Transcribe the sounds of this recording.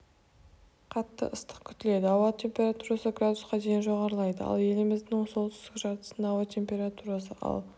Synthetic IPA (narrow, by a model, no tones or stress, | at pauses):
qʰɑt̪ːə̰ʔəst̪ə̥qkʲʰʏt̪ɪle̞d̪ɪɑwat̪ʰʲe̞mpʲe̞ɾat̪uɾasəɡrad̪usqɑd̪e̞jɪnʒo̞ʁɑɾəlˠɑjd̪ə̰ɑ̰lˠje̞lɪmɪzd̪ɪŋsolˠt̪ʏst̪ɪkʲʒɑɾt̪ə̥sənɑwat̪ʲʰe̞mpʲe̞ɾat̪uɾɑsəʔɑ̰lˠ